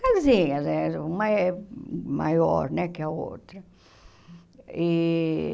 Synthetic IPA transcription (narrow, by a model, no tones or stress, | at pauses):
kazĩɲɐzɛumɐɛ | ma̰jɔ̰ɾnɛkɪɐo̰t̪ɾɐ | i